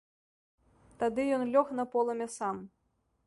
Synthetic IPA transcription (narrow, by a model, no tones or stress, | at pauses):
t̪ad̪ɨjɔnlʲɔxnɐpɔlˠɐmʲɛsam